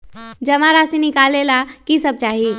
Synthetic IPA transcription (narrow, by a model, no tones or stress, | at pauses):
d͡ʒəmaɾasinikalelakisəb̚t͡ʃaːɦi